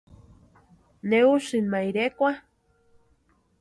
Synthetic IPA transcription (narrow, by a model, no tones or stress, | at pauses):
neuʃɨnmajɾekʷa